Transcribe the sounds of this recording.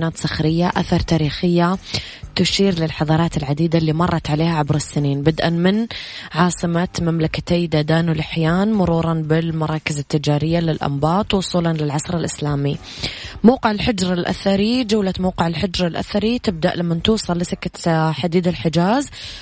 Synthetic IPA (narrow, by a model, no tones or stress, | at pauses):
naːt̪saxɾɪjːaʔaθɑɾˤt̪aːɾiːxɪjːa | t̪ʊʃiːɾlɪlħɑðˤɑːɾˤɑːt̪ɪlʕad̪iːd̪alːiːmɑrˤːɑt̪ʕaleːhaʕabɾɪsːɪniːnbad̪ʔanmɪnʕɑːsˤɨmat̪mamlakḁt̪ajd̪aːd̪aːnwlɪħjaːnmʊɾuːɾˤɑnbɪlmɑɾˤɑːkɪzɪt̪ːɪd͡ʒaːɾɪjːalɪlʔɑ̰mbɑːt̪ˤwʊsˤuːlɑnlɪlʕɑsˤɾɪlʔɪslaːmi | mawqɪʕɪlħɪd͡ʒɾˤalʔa̰θɑɾid͡ʒawlamawqɪʕɪlħɪd͡ʒɾˤalʔa̰θɑɾit̪ɪb̚d̪aʔlamːant̪uːsˤɑlːɪsɪkːat̪ħad̪iːd̪ɪlħɪd͡ʒaːz